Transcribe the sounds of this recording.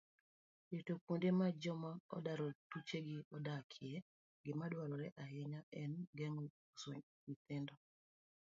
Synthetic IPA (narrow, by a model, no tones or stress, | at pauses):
jetokwondemad͡ʒɔmaɔ̰daɾɔtut͡ʃeɡɪɔdakʰɪɛ | ɡɪmadwaɾɔɾɛʔaɦɪɲaɛnɡeŋ | so̰ɲ | wit̪ɪndɔ